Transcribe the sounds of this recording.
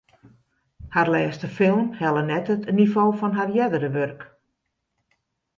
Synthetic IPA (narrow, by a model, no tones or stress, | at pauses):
harlɛːstəfɪlˠmhɛlˠənɛtətnifoːfɔnɦarjɛdəɾəʋørk